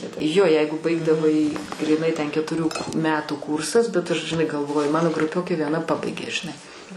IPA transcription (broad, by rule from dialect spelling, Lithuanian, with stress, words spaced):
joː ˈjɛɪɡʊ ˈbɐɪɡdɐʋɐɪ ɡrʲiːˈnɐɪ tʲɛn kʲɛtʊˈrʲuː ˈmʲæːtuː ˈkuːrsɐs bʲɛt ɐʃ ʒʲɪˈnɐɪ ɡɐlˠˈʋoːjʊ ˈmɑːnoː ɡrʊˈpʲoːkʲeː ʋʲiɛˈnɐ ˈpɑːbɐɪɡʲeː ʒʲɪˈnɐɪ